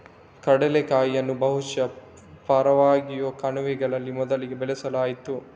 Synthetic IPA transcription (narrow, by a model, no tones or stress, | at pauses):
kɐɽɛlekaːjːɐnːubɐɦuʃɐ | paːɾɐʋaːɡijoːkɐnuʋɛɡɐɭɐlːimɔd̪ɐliɡebɛlɛsɐlaːjit̪u